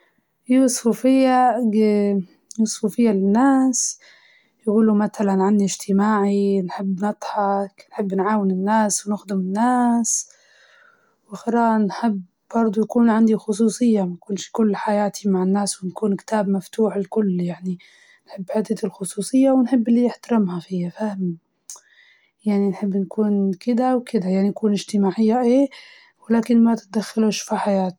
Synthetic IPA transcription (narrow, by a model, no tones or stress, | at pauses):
ʔiwɑsˤfufɪjːa | wɑsˤfufɪjːalɪnːaːs | jaɡuːlumat̪alanʕanːiɪʒt̪ɪmaːʕinħɪbːnɨt̪ˤħɑknħɪbːnʕaːwɪnɪnːaːswnɪxd̪ɪmɪnːaːs | wɪxɪɾaːʔnħɪbː | bɑɾˤd̪ˤujakuːnʕand̪ixʊs̬ˤuːsˤɨjːamakʊːnʃkʊlːħajaːt̪ʰimaʕɪnːaːswɪnkuːnkt̪aːbmaft̪uːħlkʊlːjaʕni | nħɪbːħɪt̪ːɪt̪ɪlxʊsˤuːsˤɨjːawɪnħɪbːɪlːiɪħt̪aɾˤɪmhafijafahmi | jaʕninħɪbːnkuːnkɪd̪awkɪd̪ajaʕninakuːnɪʒt̪ɪmaːʕɪjːaʔeː | wɪlaːkɪnmat̪ɪ̥t̪̚d̪axːaluʃfiħajaːt̪